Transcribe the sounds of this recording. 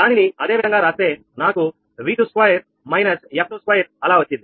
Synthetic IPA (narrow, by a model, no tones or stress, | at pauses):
d̪aːniniɐd̪e̞ːʋid̪ʱɐŋɡaːɾaːse̞ː | naːku | ʋiːd̪uskwaːjɐɾ | mɐjnɐsjɐp̚ʰnuskʋajɐɾɐlaːʋɐt͡ʃːind̪i